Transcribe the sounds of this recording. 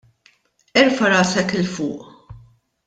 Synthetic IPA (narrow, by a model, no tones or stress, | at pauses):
ɛɾfɐɾɐːsɛkɪlfʊ̰ːʔ